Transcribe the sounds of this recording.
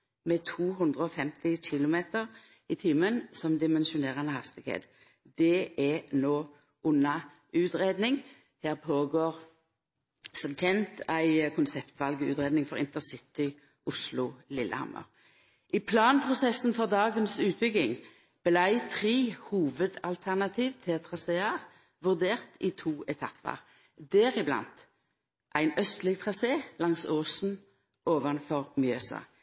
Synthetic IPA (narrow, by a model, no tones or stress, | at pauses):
mɛt̪ʰuːɦɵnd̪ʁəɔfɛmt̪ɪçɪlʊmeːt̪əʁ | ɪt̪ʰiːmənsɔmd̪ɪmɛnʃʊneːʁənəhɑst̪ɪɡ̥hḛːt̪ | d̪̥ɛɛnoː | ʔʊnːɑ | ʉːt̪ʁeːd̪nɪŋ | heːʁpʰoːɡoːʁ | sɔmtʰɛnt̪æɪkʰʊnsɛpt̪ʋɑlɡəʉ̰ːt̪ʁeːd̪nɪŋfɔʁɪnt̪əsɪt̪ɪ | ʔʊslʊlɪlːʔə̰hɑ̰mːə̰ʁ | ʔiːpʰlɑːnpʰʁʊsɛsn̩fɔʁd̪ɑːɡənsʉːt̪̚bʏɡ̪ɪŋ | b̥əlæɪt̪ʰʁeːhuːʋəd̪ɑlt̪ʰæʁnɑt̪ʰiːʋt̪ʰɪlt̪ʰʁɑseːəʁ | ʋʉʁd̪eːʁt̪ɪt̪ʰuːʔɛt̪ʰɑpʰːə̰ʁ | d̪ɛʁɪblɑ̰nt̪ | ʔæɪnœst̪lɪɡ̚t̪ʰʁɑseːlɑŋsoːsn̩ | ʔoːʋɑnfɔʁmjøːsɑ̰